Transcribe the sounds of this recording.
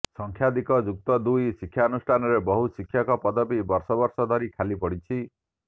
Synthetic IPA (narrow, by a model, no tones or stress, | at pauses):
sɔŋkʰjad̪ikɔd͡ʒuk̚t̪ɔd̪ujsikʰːjaɔnusʈʰanɔɾebɔɦusikʰːjakɔpɔd̪ɔbibɔɾsɔbɔɾsɔd̪ʱɔɾikʰalipɔɽit͡ʃʰi